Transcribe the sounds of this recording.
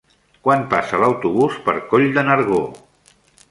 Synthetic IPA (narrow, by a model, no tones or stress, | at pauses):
kwanpasələwt̪uβuspə̰ɾkoʎd̪ənəɾɣo